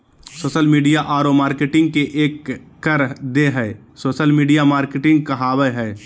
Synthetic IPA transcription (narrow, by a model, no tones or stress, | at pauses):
soːʃəlmiːɖijaʔaːɾomaːɾkeʈɪ̃ŋɡ̚keʔeːkː | əɾd̪eɦɛː | soːʃəlmiːɖijamaːɾkeʈɪ̃ŋɡ̚kɐɦaːwəɦɛː